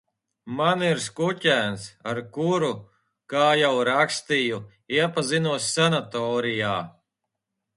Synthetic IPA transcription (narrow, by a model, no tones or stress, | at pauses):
maniɾskucæːnsaɾkuɾu | kaːjawɾakst̪iju | iɛpazinuɔsʲːanat̪ɔːɾijaː